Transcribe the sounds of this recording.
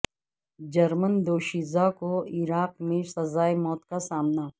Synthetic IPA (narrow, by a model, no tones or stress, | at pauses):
d͡ʒɐɾmənd̪oːʃiːzakoɪɾaːq̚mẽsɐzaːemɔːt̪kasaːmna